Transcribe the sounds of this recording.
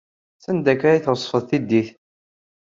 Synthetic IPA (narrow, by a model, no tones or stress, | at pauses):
sænd̪ækːɾæjθɾəsˤːfəðˤθid̪ːiθ